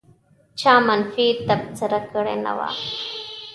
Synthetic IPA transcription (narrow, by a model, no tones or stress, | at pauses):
t͡ɕʰaːmɐnfiːɾt̪ɐb̚t͡səɾakəɽḛnɐ̰wa̰ː